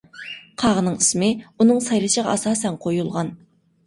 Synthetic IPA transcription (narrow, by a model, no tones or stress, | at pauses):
qʰɑʁənɨŋismɪunɨŋsɑjɾˠɨʃəʁɑ̰ɑsɑːsɛnqʰojulˠʁɑn